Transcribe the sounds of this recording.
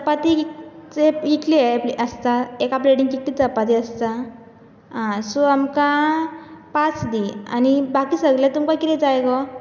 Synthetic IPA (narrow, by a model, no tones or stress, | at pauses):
əpat̪it͡sekikliepliəst̪aekapleɽiŋɡkiklit͡səpat̪̬iəst̪a | ãsoamka | pat͡sd̪ia̰nibakisəɡljat̪umkakit̪ed͡zajkɔ